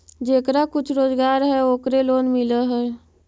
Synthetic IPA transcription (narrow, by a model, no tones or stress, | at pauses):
d͡ʒeːkɾakʊt͡ʃʰɾoːzɡaːɾɦɛoːkɾeloːnmɪləɦɛː